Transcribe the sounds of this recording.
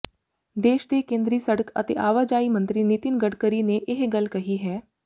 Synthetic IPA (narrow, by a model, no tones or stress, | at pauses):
d̪eːʃd̪ekẽːnd̪ɾiːsəɽəkə̰t̪ḛʔaːʋad͡ʒaːimə̃nt̪ɾinɪt̪ɪnɡəɽkəɾineʔɪɦɡəlkɐɦiɦɛː